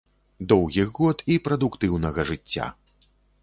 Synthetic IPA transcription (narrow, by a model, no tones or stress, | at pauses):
d̪ɔwɣʲiɣɣɔt̪ipɾɐd̪ukt̪ɨwnɐɣɐʐɨt͡sʲːa̰